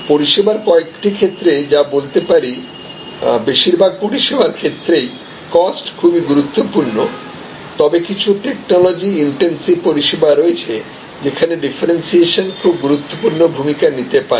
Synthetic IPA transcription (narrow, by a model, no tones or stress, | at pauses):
poɾiʃebaɾkɔekʈikʰet̪ːɾed͡ʑabolt̪epaɾi | beʃiɾbʱaɡ̚poɾiʃebaɾkʰet̪ːɾej | kɔsʈkʰubiɡuɾut̪ːopuɾno | t̪ɔbekit͡ɕʰuʈek̚nɔlɔd͡ʑiiɳʈensibpoɾiʃebaɾoet͡ɕʰe | d͡ʑekʰaneɖifʰaɾensieʃonkʰubɡuɾut̪ːopuɾnobʱumikanit̪epaɾe